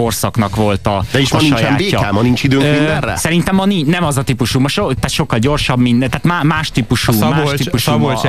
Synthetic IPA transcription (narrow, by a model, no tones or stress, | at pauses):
o̞rsɒknɒkʋo̞lt̪ɒd̪ɛiʃmiʃɒjamːeːɒaːmɒniɲt͡ʃid̪øːŋmind̪ɛrːɛ̰sɛɾint̪ɛmːɒninɛmɒzɒt̪iːpuʃumɒʃot̪aːt̪ʃo̞kːɒlɟo̞rʃɒbmind̪ɛt̪aːt̪maːmaːʃt̪iːpuʃuːmaːʃt̪ipuʃsubo